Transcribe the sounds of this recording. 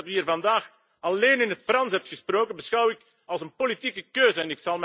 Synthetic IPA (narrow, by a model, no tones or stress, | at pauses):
tyːiːrvɑndaːx | ɑleːnɪnɦətfrɑnsɦɛp̚txəsproːkənbəsxɑwɪk | ɑlˠsənpolitikəkøːzəɛnɪksɑlˠm